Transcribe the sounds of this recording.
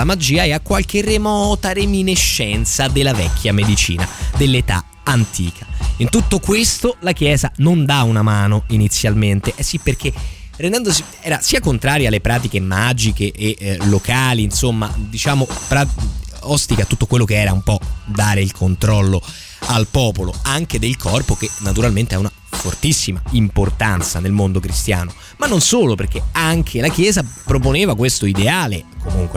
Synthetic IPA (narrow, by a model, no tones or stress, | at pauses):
lamad͡ʒiːaɛakwalk̟eremɔt̪aɾemineʃːɛnt̪sad̪elːavɛ̰k̟ʰʲːjamed̪it͡ʃḭːna̰d̪elːet̪a̰ | ant̪ʰḭːkʰaint̪ut̪ːokwest̪olak̟jɛːzanond̪aunamaːnoinit̪sːjalment̪eʔɛsːipːerk̟erend̪ɛnd̪osi | ɛːɾasiːakont̪ɾaːɾjialːepɾaːt̪ikemad͡ʒikeʔelokaːliːnsomːad̪it͡ʃaːmopɾaɔst̪ikat̪ːut̪ːokwelːokeɛːɾaumpɔd̪aːɾeilkʰont̪ɾɔlːo | alpɔːpoloaŋked̪elkʰɔrpokenːat̪uɾalment̪eɛuna | fort̪isːimaimport̪ant̪sanelmond̪okɾist̪ja̰ːno | manːonsoːloperk̟eaŋkʰelak̟jɛːzapɾoponeːvakwest̪oid̪eaːlekomuŋkwe